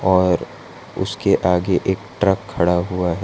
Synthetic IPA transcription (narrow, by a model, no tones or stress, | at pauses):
ɔːɾ | ʊ̰skeʔaːɡeʔeːkʈɾəkʰːɐɽaɦuaɦɛ